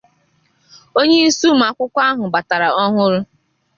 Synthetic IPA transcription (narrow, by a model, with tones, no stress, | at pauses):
o˦ɲe˦i˦su˦m̩˨a˨kʷʊ˦kʷa˦ɦʊ˨ba˨ta˨ɾa˨ɔ˦ɦʊ˦ɾʊ˦